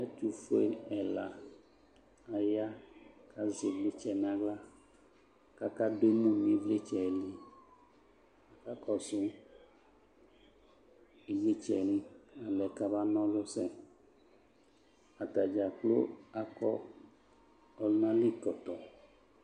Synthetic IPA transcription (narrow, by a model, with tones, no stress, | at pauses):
ɛ˦tu˨fo˦e˨ɛ˨la˨ | a˨ja˦ka˦zi˨ble˦t͡ʃɛ˦˨nã˨ɡla˦ | ka˦ka˦de˦mũ˦mĩ˨˦ble˦t͡ʃɛ˨li˦ | a˨ka˦kɔ˦sʊ˦ | i˨ɡ͡be˦t͡ʃɛ˨li˦a˨lɛ˨ka˦ba˦nɔ̃˦lʊ˦sɛ˦ | a˨t̪a˨d͡ʒa˨k͡plo̰˦a˦kɔ˦ | ɔ˨lnã˦li˦kɔ˨t̪ɔ˨